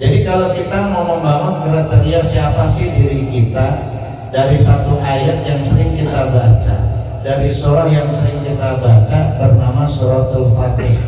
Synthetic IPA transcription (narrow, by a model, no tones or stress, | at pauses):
d͡ʒadikalawkit̪amaməmbamʊnk̪əɾat̪eɾiasiapasɪhdiɾikit̪a | daɾisat̪uʔajat̪̚jaŋsəɾɪŋkit̪abat͡ʃa̰ | daɾisɔɾɔhjaŋsəɾɪŋkit̪abat͡ʃab̪ərnamasɔɾɔht̪ulfat̪ɪ